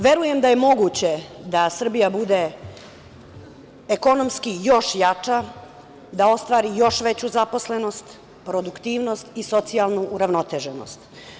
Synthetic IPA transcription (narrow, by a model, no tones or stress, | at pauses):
ʋe̞ɾuje̞md̪aje̞mo̞ɡut͡ɕe̞d̪asr̩bijabud̪e | ko̞no̞mskijo̞ʃjat͡ʂa | d̪ao̞st̪ʋaːɾijo̞ʃʋe̞t͡ɕuzapo̞sleno̞st̪ | pɾo̞d̪ukt̪iːʋno̞st̪iso̞t̪sijalˠnuʔːɾaʋno̞t̪eʒeno̰st̪